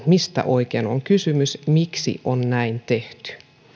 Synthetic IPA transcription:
mist̪æ̰ʔoikeːnoŋkysymysmiksḭʔonnæint̪eht̪y̥

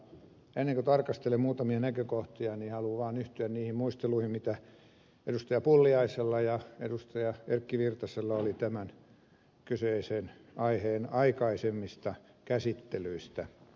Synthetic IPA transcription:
enːeŋkot̪ɑrkɑst̪elemmuːt̪ɑmiɑnækøkoht̪iɑnihɑluʋɑːnyht̪yænniːhimmuist̪eluihimmit̪æ | edust̪ɑjɑpulːiɑiselːɑjɑḛdust̪ɑjɑerkːiʋirt̪ɑselːɑolit̪æmæn | kyseisenɑiheːnɑikɑisemːist̪ɑ | kæsit̪ːelyist̪æ

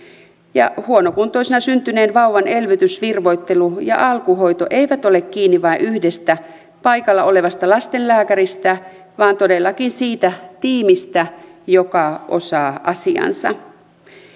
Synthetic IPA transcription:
jɑ̰huonokunt̪oisenɑsynt̪yneːnʋɑuwʋɑne̞lʋyt̪ysʋirʋojt̪ːe̞lujɑ̰ʔɑlkuɦo̞jt̪oʔe̞iʋæt̪ole̞kkiːnːiʋɑiʔyhdest̪æ | pɑikɑlːɑo̞le̞ʋɑst̪ɑlɑst̪enlæːkæɾist̪æ | ʋɑːnt̪odelːɑkinsiːt̪æt̪iːmist̪æjokɑʔo̞̰sɑːʔɑsiɑ̰nsɑ̰

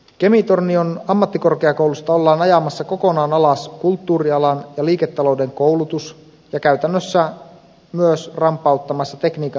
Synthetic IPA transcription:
ke̞mit̪o̞rnːionɑmːɑt̪ːiko̞rkeɑko̞wlust̪ɑo̞lːɑːnɑjɑmɑsːɑko̞ko̞nɑːnɑlɑskult̪ːuːɾiɑlɑnjɑliːket̪ːɑlo̞wde̞ŋko̞uwlut̪us | jɑkæɥt̪ænːøsːæ | myøsrɑmpːˑɑut̪ːɑmɑsːɑt̪e̞kniːk

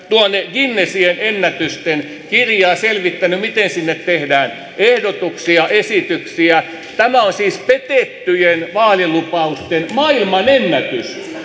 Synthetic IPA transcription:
t̪uonːeɡinːesienenːæt̪yst̪en | kirjɑːselʋit̪ːænymit̪ensinːet̪tehdæːn | ehdot̪uksiɑʔesit̪yksiæ | t̪æmæonsiːspet̪et̪ːyjenʋɑːlilupɑust̪enmɑilmɑnenːæt̪ys

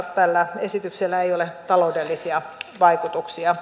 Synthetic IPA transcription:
t̪ælːæesit̪ykselːæeijolet̪ɑloudelːisiɑʋɑikut̪uksiɑ

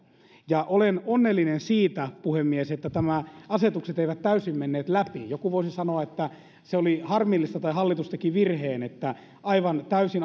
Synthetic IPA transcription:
jɑʔolenonːelːinensiːt̪æpuhemːieset̪ːæt̪æmæɑset̪ukset̪eiʋæt̪tæysimmenːeːt̪læpijokuʋoisisɑnoɑet̪ːæ | seolihɑrmilːist̪ɑt̪ɑihɑlːit̪ust̪ɑkiʋirheːnet̪ːæ | ɑiʋɑnt̪æysin

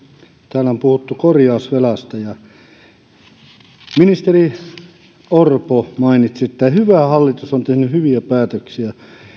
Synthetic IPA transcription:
t̪æːlæompuhut̪ːukorjɑˑusʋelɑst̪ɑjɑ | minist̪eri | orpomɑinit̪siet̪ːæhyʋæhɑlːit̪usont̪ehnyhyʋiæpæːt̪øksiæ

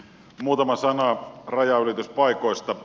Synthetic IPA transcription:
muːt̪ɑmɑsɑnɑrɑjɑylit̪yspɑˑikoˑist̪ɑ

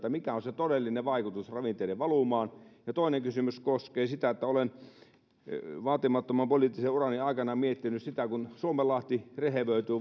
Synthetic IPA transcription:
t̪ːæmikæonset̪odelːineʋɑikut̪usrɑʋint̪eˑideʋʋɑlumɑːnjɑt̪oˑineŋkysymyskoskeːsit̪æet̪ːæolen | ʋɑːt̪imɑt̪ːomɑmpoliˑt̪ːiseurɑniɑˑikɑnɑmiet̪ːinyssit̪ækunsuomelːˑɑht̪ireheʋøˑit̪yː

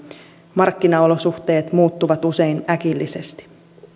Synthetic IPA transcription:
mɑrkːinɑo̞lo̞suxt̪e̞ːt̪muːt̪ːuʋɑt̪use̞jnækilːise̞st̪i̥

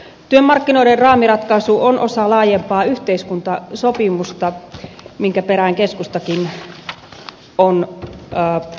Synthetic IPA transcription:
t̪yømːɑrkːinoiderrɑːmirɑt̪kɑisuʔonʔosɑlɑːjempɑːyht̪eiskunt̪ɑsopimust̪ɑmiŋkæperæiŋkeskust̪ɑkin | onː

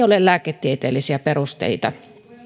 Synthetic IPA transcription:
olelæːket̪ːiet̪eːlisiæperust̪ḛit̪ɑ

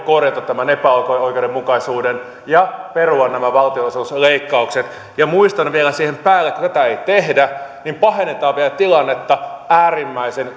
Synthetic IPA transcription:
korjɑt̪ɑt̪t̪ːæmænepæokoikeoudɾemukɑisuːden | jɑperuɑnnæmæʋɑlt̪iossleikːɑukset̪ | jɑmuist̪ɑnʋielæsiːhempæːlːekut̪æt̪æeit̪ehdænimpɑhenːet̪ɑːʋʋielæt̪ilɑnːet̪ːɑæːrimːæisen

